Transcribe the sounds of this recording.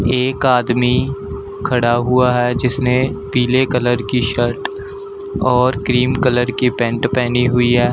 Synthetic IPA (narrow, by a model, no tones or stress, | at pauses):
eːkaːd̪mi | kʰɐɽaɦʊaɦɛd͡ʒɪsnepiːlekələɾkiʃəɾʈ | ɔːɾkɾiːmkələɾkipɛ̃ɳʈpɛːniɦʊiɦɛː